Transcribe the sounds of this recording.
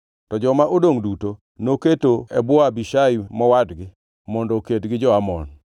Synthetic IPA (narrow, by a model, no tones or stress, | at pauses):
tɔd͡ʒɔmaʔodoŋduto | noketoɛbwɔabiʃaimɔwadɡɪ | mɔndɔketɡɪd͡ʒɔamɔ̰n